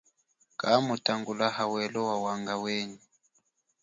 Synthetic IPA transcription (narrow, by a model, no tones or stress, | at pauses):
kʼamutʰʼaŋɡulahawɛlɔwawaŋɡaweːɲi